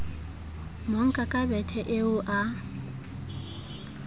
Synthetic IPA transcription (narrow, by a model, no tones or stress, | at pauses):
moŋ̩kʼakʼabɛtʰɛʔeʊʔa